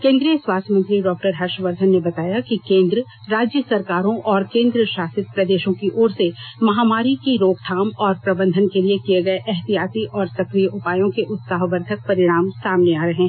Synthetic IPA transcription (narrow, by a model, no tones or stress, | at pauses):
kẽːnd̪ɾijəswaːst̪ʰəmɐ̃nt̪ɾiɖɔːk̚ʈəɾɦɐɾʃʋəɾd̪ʱənːebɐt̪aːjakikẽːnd̪ɾə | ɾaːd͡ʒjəsɐɾkaːɾõʔɔːɾkẽːnd̪ɾəʃaːsɪt̪̚pɾɐd̪eːʃõkiʔoːɾsemɐɦaːmaːɾikiɾoːɡt̪ʰaːmɔːɾpɾɐbə̃nd̪ʱənkeliekieɡɐeʔɛɦt̪ijaːt̪iʔɔːɾsɐkɾijəʔʊpaːjõkeʔʊt̪saːɦʋəɾt̪ʰək̚pɐɾɪɽ̃aːmsaːmneaːɾɐɦẽ